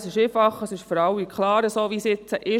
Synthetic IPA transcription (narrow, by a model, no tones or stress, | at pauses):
sɪʃeːfɑχəsɪʃfɔɾɑwikʰχlɑːɾəsoːʋisɪt͡səʔɪ